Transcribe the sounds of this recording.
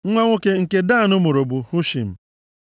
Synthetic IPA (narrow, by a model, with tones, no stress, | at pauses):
ŋ̩˦ŋʷa˦ŋʷo˦ke˦ŋ̩˨ke˦daː˦˨nʊ˦mo˨ɾo˨bu˨hu˦ʃḭ˨m̩˨